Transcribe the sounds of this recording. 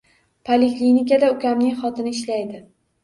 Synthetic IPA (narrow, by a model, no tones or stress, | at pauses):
pʰalɪkʲlinikʲad̪aʊkʲamnɪŋχɒt̪ʰɪnɪːʃlajd̪ɪ